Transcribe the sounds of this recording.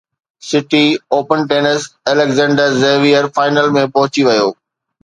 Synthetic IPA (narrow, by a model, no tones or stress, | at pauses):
sɪʈioːpənʈeːnəsɛlekzɛ̃ːɳɖəɾzeːʋijəɾfaːɪnəlmẽpɐɦʊt͡ɕiʋɐjoː